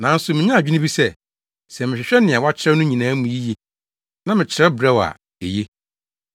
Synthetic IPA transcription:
nã˨˦n̩˦sʊ˨mɪ̃˨ɲã˦˨d͡ʑᶣi˦nɪ̃˦i˦sɛ˦˨ | sɛ˨mɪ̃˨ɕᶣɪ˨ɕᶣɛ˦nɪ̃˨a˨wa˦t͡ɕʰɪ˦ɾɛ˦nʊ̃˦ɲĩ˨nãː˨˦mũ˨ji˦je˦ | nã˦mɪ̃˨t͡ɕʰɪ˨ɾɛ˦bɾɛ˦wa̰˨ | e˨je˦

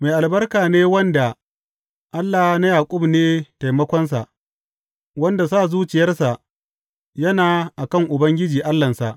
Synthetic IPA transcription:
ma˨jʔa˨lbɐ˦rkaː˨neː˦wɐ˦nda˨ | ʔa˦lːa˨hna˦jaː˨kʷʼʊ˦bneː˦ta˨jmɐ˦kʷɔ˦ns̬a˨ʔ | wɐ˦nda˨sa˦˨zuː˦t͡ʃɪ˨jɐ˦rsa˨ʔ | jɐ˦naː˨ʔa˨kɐ˦˨ŋʔʊ˨bɐ˦ŋɡʲɪ˦d͡ʒiː˨ʔa˦lːɐ˨nsa˨ʔ

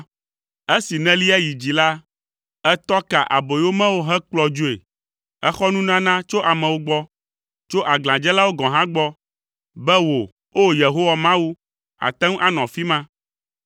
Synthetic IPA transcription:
e˦si˨nɛ̃˦li˦ɛ˦ji˨d͡ʑi˨la˦ | ɛ˦t̪ɔ˦ka˨ʔa̰˨bo˨˦o˦mɛ̃˦wo˦ɦɛ˦k͡plɔ˦d͡ʒu˦e˨ | ɛ˦xɔ˦nũ˦nã˦nã˦t͡ʃo˦ʔa˨mɛ̃˨wo˦ɡ͡bɔ˦ | t͡ʃo˦ʔa˨ɡl̃ã˨d͡ʒɛ˦la˦wo˦ɡɔ̃˨ɦã˦ɡ͡bɔ˦ | bɛ˦wo˨ | o˦je˨ɦo˦wa˨mã˦wu˦ | a̰˨t̪ɛ̃˦ŋ˦ʔa˦nɔ̃˨fi˦mã˦

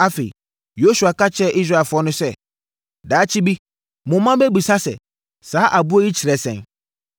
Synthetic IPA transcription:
a˦fe˨ḭ˨ | jo˦su˨a˨ka˦t͡ɕʰɛ˦ʔi˦s̬ɾa˦˨ɛ˨fʊ˨˦ɔ˦nʊ̃˦sɛ˦ | daː˨˦t͡ɕʰi˦bi˦ | mʊ̃˨˦mã˦bɛ˦bu˨sa˦sɛ̰˨ | saː˨˦ʔa˨bu˦ɔ˦ji˦t͡ɕʰi˨ɾɛ˨sɛ̰̃˨n

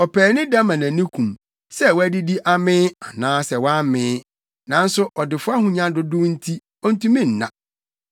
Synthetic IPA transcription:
ɔ˨pʰɛː˨nɪ̃˦dã˦mã˨nã˨nĩ˦kʰũ˨m | sɛ˦˨wɔ˦æ˦di˦di˦ʔa˨mɪ̃ː˦a˨nãː˦sɛ˨wɔ˦a˦mɪ̃ː˦ | nã˨n̩˦sʊ˦ʔɔ˨dɪ˨fʊ˦a˦hʊ̃˨ɲã˦dʊ˦dʊ˦n̩˦tʰi˦ | ɔ˦n̩˦tũ˦mĩ˦n̩˨nːã̰˨

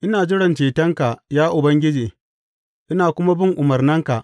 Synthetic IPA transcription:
ʔɪ˦naː˨d͡ʒɪ˦ɽɐ˨nt͡ʃeː˨tɐ˦ŋka˨jaː˦ʔʊ˨bɐ˦ŋɡʲɪ˦d͡ʒeː˨ | ʔɪ˦naː˨kʷʊ˦ma˦bɪ˦ŋʔʊ˨mɐ˨rnɐ˦ŋka˨ʔ

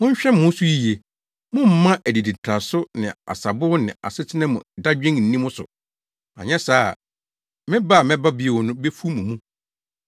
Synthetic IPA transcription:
mʊ̃˦ɲ˦ɕᶣɛ˦m˦mʊ̃˦su˦ji˦je˨ | mʊ̃˦m̩˦mã˦ʔæ˨di˨di˨tʰɾa˨sʊ˦nɪ̃˨a̰˨sa˨bʊ˦nɪ̰̃˨a̰˨sɪ˦tʰɪ˦nɛ̃˦mʊ̰̃˨da˦d͡ʑᶣɪ̃˦ŋn̩˨nĩ˦mʊ̃˦sʊ̰˨ | a̰˨ɲɛ̃˦saː˦˨ | mɪ̃˦ba˦˨mɛ̃˦ba˦bɪ˦e˨wɔ˨nʊ̃˦be˦fu˦mũ˨mũ˦

